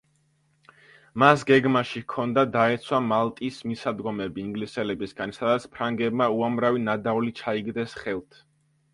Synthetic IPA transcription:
masɡɛɡmaʃikʰɔnd̪ad̪aɛt̪sʰwamalˠt̪ʼismisad̪ɡɔmɛbiːŋɡlisɛlɛbisɡansad̪at̪sʰpʰɾaŋɡɛbmauamɾavinad̪aulit͡ʃʰaiɡd̪ɛsχɛlˠt̪ʰ

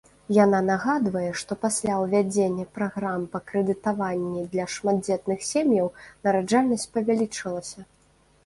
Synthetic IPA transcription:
jananaɣad̪vɐjɛʂt̪ɔpasʲlʲawvʲad͡zʲenʲːɐpɾaɣɾampɐkɾɛd̪ɨt̪avanʲːid̪lʲɐʂmad̪̚d͡zʲɛt̪nɨxsʲemjɐwnɐɾad͡ʐalʲnɐsʲt̚ʲpɐvʲalʲit͡ʂɨlˠɐsʲɐ

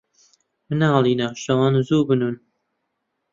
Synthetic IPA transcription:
mɨnaːlˠiːnaʃɐwɑːnzuːbɨnun

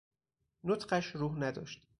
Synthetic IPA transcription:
not̪ɢæʃɾuːɦnæd̪ɒ̰ːʃt̪

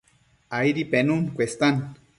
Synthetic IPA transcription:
aiɾipenunkʷest̪an

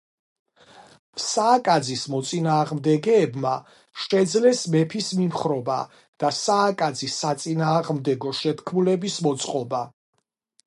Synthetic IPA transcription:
saːkʼad̪zismɔt̪sʼinaːʁmd̪ɛɡɛːbma | ʃɛd̪zlɛsmɛpʰismimχɾɔba̰ | d̪̥asaːkʼad̪zisːat̪sʼinaːʁmd̪ɛɡɔʃɛt̪ʰkʰmulɛbismɔt̪sʼqʼɔba

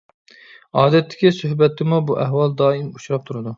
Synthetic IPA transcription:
ɑːd̪ɛt̪ʰːɪ̥kʲisøhbɛt̪ːɪmubuʔɛɦwɑlˠd̪ɑːimuʃuɾɑp̚t̪ʰuɾɨd̪u

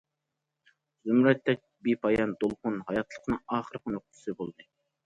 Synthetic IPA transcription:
zymɾɛt̪ːɛk̚ʲbipʰɑjɑnd̪olˠqʊnhɑjɑt̪ʰlˠə̥qʰənɨŋɑːχəɾqənoq̚t̪ʰɨ̥sɨbolˠd̪ɨ

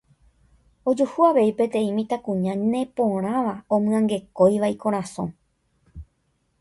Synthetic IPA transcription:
o̞d͡ʒuhuaʋe̞ipẽ̞t̪ẽ̞ĩmĩt̪akũɲãnẽ̞põ̞ɾ̃ãʋaõmɨ̃ãŋɡe̞ko̞jʋaikoɾ̃ãsõ̰

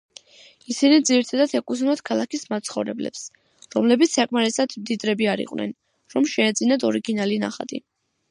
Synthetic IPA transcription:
isinid̪ziɾt̪ʰad̪at̪ʰɛkʼus̬unat̪kʰalˠakismat̪sʰχɔvɾɛ̰blɛ̰ps | ɾɔmlɛbit̪ssakʼmaɾɛsad̪̥md̪id̪ɾɛbiaɾḭqʼwnɛ̰n | ɾɔmʃɛːd̪zinad̪ɔɾiɡinalina̰χa̰t̪ʼḭ

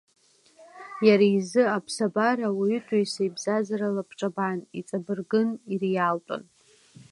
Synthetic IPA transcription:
jaɾaizɨapʰsabaɾawitʷʼujsajbzazaɾalapʰʈ͡ʂʼabanit͡sʼabɨrɡɨnirjaltʼa̰n

